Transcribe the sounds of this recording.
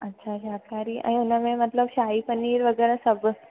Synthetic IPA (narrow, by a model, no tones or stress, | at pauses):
ətːɕʰaɕakaɾiːa̰niunəmẽmət̪ləbɕaiːpəniːɾʋəɡəɾəsəbə